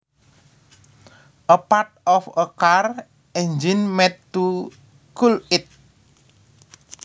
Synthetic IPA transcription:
ʔəpat̪̚ɔfəkar | ɛnd͡ʒinmɛd̪̚u | kulɪt̪̚

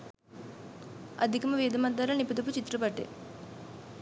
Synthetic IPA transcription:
ɐ̰d̪ʱikɐmɐʋiːd̪ʱɐmɐd̪ːaːɾɐnipud̪up̬ut͡ʃit̪ɾupɐʈːḛ

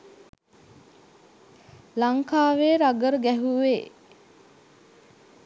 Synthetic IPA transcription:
laŋkaːʋeːɾaɡəɾəɡæɦuʋeː

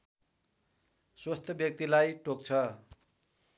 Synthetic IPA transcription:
swast̪ʰʌbjʌk̚t̪ilajʈok̚t͡sʰʌ

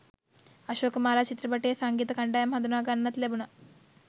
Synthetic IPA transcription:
ɐʃoːkmaːlaːt͡ʃit̪ɾɐbɐʈːeːsaːŋɡiːt̪ɐkɐɳɖaːjɐmɦɐd̪unaːɡɐnːɐt̪lebunɐ

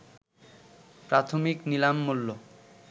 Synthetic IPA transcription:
pɾat̪ʰomiknilamːulːo

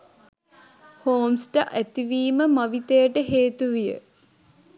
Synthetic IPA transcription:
hoːmsʈəʔæt̪iʋiːməmaʋit̪ejəʈəɦeːt̪uʋijə̰

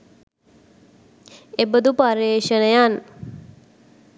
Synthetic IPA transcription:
ebəd̪upaɾeːʃənəjan

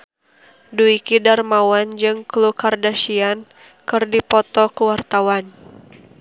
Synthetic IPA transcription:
duikidarmawand͡ʒɨŋklukardaʃian | kɨrdipɔt̪ɔkəwart̪awan

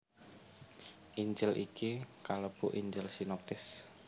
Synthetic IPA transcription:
ʔiɲd͡ʒəlʔḭkikaləb̥ʊ̰ʔiɲd͡ʒəlsinɔp̚t̪ɪs

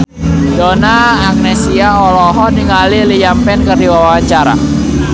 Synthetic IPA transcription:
donaː | k̚nesiaɔlɔɦɔniŋalilijampɛnkərdiwawawaɲt͡ʃaɾa̰

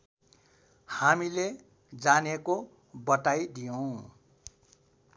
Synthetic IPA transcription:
hamile | d͡zaneko | bʌtajd̪ijõ

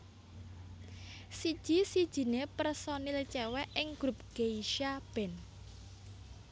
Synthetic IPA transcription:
sid̥ʒ̥isid̥ʒ̥i̤nepərsɔnilət͡ʃɛwɛʔɪŋɡ̥ɾup̚ɡ̥eiʃab̥ɛ̤n

